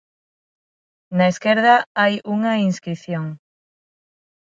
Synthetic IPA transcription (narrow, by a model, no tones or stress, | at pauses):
naeskeɾðɐajuŋɐinskɾiθjoŋ